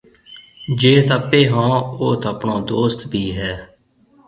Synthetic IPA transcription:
d͡ʒeːt̪ʰəpːeːɦãːoːt̪ʰəpɳõːd̪oːst̪bʱiːɦɛː

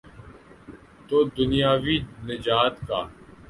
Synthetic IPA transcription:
t̪oːd̪ʊnɪjaːʋiːnɪd͡ʒaːt̪kaː

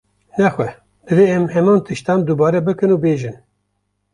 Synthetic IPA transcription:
nɛxʷɛ | d̪ɨveːɛmhɛmɑːnt̪ɨʃt̪ɑːmd̪ubɑːɾɛbɨkɨnuːbeːʒɨn

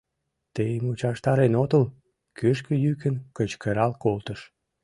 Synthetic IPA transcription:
t̪ejmut͡ɕɑʃt̪ɑɾenot̪əl | køʃkəjykənkət͡ɕkəɾɑlkolt̪əʃ

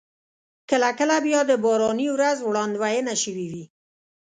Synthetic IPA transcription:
kəlakəlabjɔd̪əbɑɾɑniwɾazwɽɑnd̪wajenaʃəwiwi

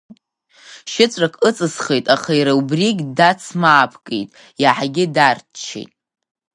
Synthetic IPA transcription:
ʃɪt͡sʷʼrakʰʼɨt͡sʼɨsχejtʼaχaiɾaubriɡʲdat͡sʰmaːpʰkʼḛjtʼ | jaħaɡʲɪdartt͡ʃʰḛjtʼ

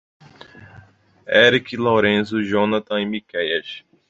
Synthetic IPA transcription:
ɛɾikilowɾẽsʊʒõnat̪ɐ̃imikɛjɛʃ

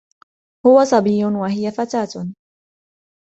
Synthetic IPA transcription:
hʊwasˤɑbiːjːʊnwaɦɪjafat̪aːt̪

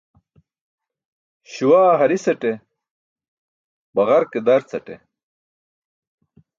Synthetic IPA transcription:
ɕuwaːɦɐɾisɐʈe | bɐʁɐɾked̪ɐɾt͡sɐʈḛ

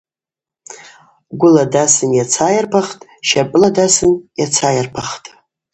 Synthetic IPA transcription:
ɡʷʊladasɨnjat͡sʰajarpʰaχtʼʃapʼladasɨnjat͡sʰajarpʰaχtʼ

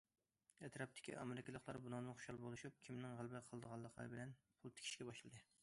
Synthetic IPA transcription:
ɛt̪ɾɑp̚t̪ʰɪ̥kʲʰḭʔɑmeɾɪkʲilˠəqʰlˠɑɾbunɑŋnɨnχoʊ̥ʃɑlˠbolˠuʃup̚kʲʰimnɪŋʁælˠbɪqʰəlˠd̪əʁɑlˠːəqʰlˠɑ̰ɾɨbɪlɛn | pʰʊlˠt̪ʰɪ̥kʲʰi̥ʃkʲɛbɑʃlˠɨd̪ɨ

